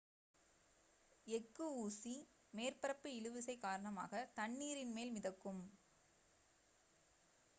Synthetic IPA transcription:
ɛkːɯuːsi | meːrpɐɾɐpːɯɪlɯʋɯsɐɪkaːɾɐɳɐma̰ːɣɐt̪ɐɳːiːɾɪnmeːlmɪðɐkːɯm

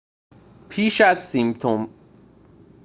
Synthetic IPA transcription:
pʰiːʃæzsimt̪ʰom

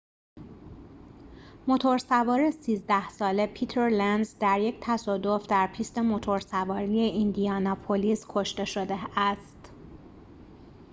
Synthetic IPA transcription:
mo̞t̪ʰo̞ɾsævɒːɾesiːzd̪æhsɒːle̞pʰit̪ʰeɾlænd̪zd̪æɾje̞ct̪ʰæsɒːd̪o̞fd̪æɾpʰiːst̪e̞mo̞t̪ʰo̞ɾsævɒːɾije̞ʔind̪ijɒːnɒpʰoliːskʰo̞ʃt̪e̞ʃo̞d̪eæst̪

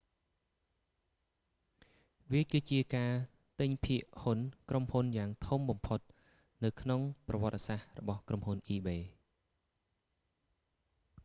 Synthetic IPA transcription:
ʋiəkɨːt͡ɕiəkaː | t̪ɨɲpʰiəʔhunkrʔomhunjaːŋt̪ʰumɓɑmpʰot̪̚ | nɨwkʰnoŋprɑʋŏət̪̚ːesahrɔ̰ɓɑhkromhunʔiːɓeː

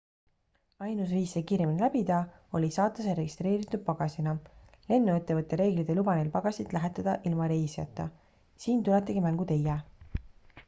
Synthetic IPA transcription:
ɑjnusviːsːekiːɾjeminelæb̥id̪ɑ | o̞lʲisɑːt̪ˑːɑseɾe̞ɡist̪re̞ːɾit̪ˑːud̥̪̚pɑɡ̥ɑsʲinɑ | le̞nːuet̪ːe̞vɤt̪ːˑe̞ɾe̞ːɡlid̪̥e̞lub̥ɑnelpɑɡ̥ɑsʲid̪̥læɦet̪ːˑɑd̪̥ɑʔilmɑɾe̞ːsjɑ̰t̪ːˑɑ | siːnt̪ulet̪ːˑiɡ̥imæŋɡ̥ut̪e̞jæ

